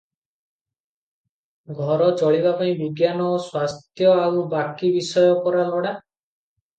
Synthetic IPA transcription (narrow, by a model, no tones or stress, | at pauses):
ɡʱɔɾɔt͡ʃɔɭibapaĩbiɡjanɔswast̪ʰjɔaubakibisɔjɔpɔɾalɔɽa